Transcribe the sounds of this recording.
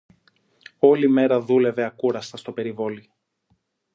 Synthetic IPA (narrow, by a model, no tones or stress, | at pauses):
o̞lime̞ɾɐðule̞ve̞ɐkuɾɐst̪ɐst̪o̞pe̞ɾivo̞li